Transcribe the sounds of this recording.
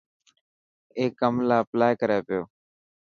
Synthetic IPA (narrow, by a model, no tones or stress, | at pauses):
eːkːəmlaːplaːjkəɾeːpɪjoː